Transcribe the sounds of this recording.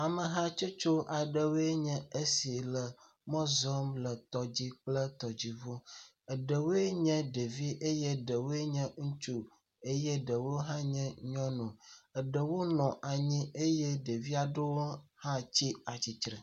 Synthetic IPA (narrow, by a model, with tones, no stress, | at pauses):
a˨mə˨ɦã˦t͡ʃo˦t͡ʃo˦ʔa˨ɖə˨wo˦e˦ɲɛ̃˦e˦si˨lə˨ | mɔ̃˦zɔ˦mlə˨t̪ɔ˨d͡ʑi˦k͡plə˦t̪ɔ˨d͡ʑi˨vo˦ | ə˨ɖə˨wo˦e˦ɲɛ̃˦ɖe˨vi˦ʔe˦je˦ɖə˨wo˦e˦ɲɛ̃˦ŋ̩̃˦t͡ʃu˨ | e˦jɛ˦ɖə˨wo˦ɦã˦ɲɛ̃˦ɲɔ̃˦nũ˨ə˨ɖə˨wo˦nɔ̃˨ʔa˨ɲĩ˦ʔe˦je˦ɖe˨vi˦a˨ɖə˦wo˦hã˦t͡ɕi˦a˨t͡ɕi˨t͡ʃɾɛ˨